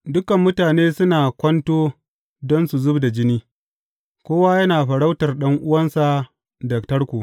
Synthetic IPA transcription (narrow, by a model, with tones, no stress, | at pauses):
dʊ˦kɐ˨mːʊ˦taː˨neː˦sʊ˦naː˨kʷɐ˦ntoː˦ | dɔ˦nsu˨zʊ˦bda˨d͡ʒɪ˦niː˦ | kʷoː˦waː˦jɐ˦naː˨ɸɐ˨ɽa˦wtɐ˨rɗɐ˦ŋʔʊ˦wɐ˦nsa˨ | dɐ˨k̚tɐ˦rkʷuː˨